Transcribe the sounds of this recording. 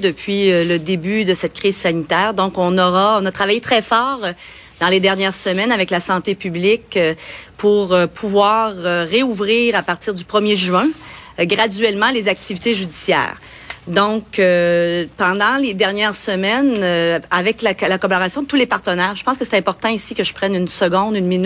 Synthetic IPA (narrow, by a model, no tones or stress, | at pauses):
d̪əpɥiøləd̪ebyd̪əsɛt̪̚kʲʁizsanit̪ɛːʁd̪ɔ̃kɔ̃nɔʁaɔ̃nat̪χavajet̪χɛfɑːʁ | d̪̥ɑ̃led̪ɛʁnjɛːʁsəmɛnavɛklasɑ̃t̪epyblɪkpʰuʁøpʰuvwaːʁøːeuvʁiːʁapaʁt̪iʁd̪ypχəmjeʒyɛ̃ɡʁad̪ɥɛlmɑ̃lezak̚t̪ivit̪eʒyd̪isjɛ̰ːʁ | d̪ɔ̃køpɑ̃d̪ɑ̃led̪ɛʁnjɛːʁsəmɛnøavɛklalakɔbɔʁasjɔ̃d̪ət̪ulepaʁt̪ənɛːʁʒəpɑ̃skəsɛ̥t̪ɛ̃pɔʁt̪ɑ̃isikəʒəpʁɛnynsəɡɔ̃d̪ynmin